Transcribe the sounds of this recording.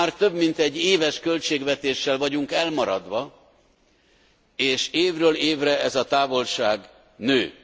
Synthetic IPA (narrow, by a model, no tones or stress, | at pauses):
aːrt̪ø̞bmint̪ɛɟːeːvɛʃkølt͡ʃeːɡʋɛt̪eːʃːɛlvɒɟuŋkɛlmɒɾɒd̪ʋɒ | eːʃeːvrøːleːvrɛɛzɒt̪aːvo̞lʃaːɡ | nøː